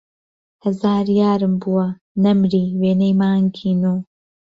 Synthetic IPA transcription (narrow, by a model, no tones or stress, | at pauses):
hɐzaːɾjaːɾɨmbuwɐ | nɐmɾiːweːnejmaːŋkʰiːnuː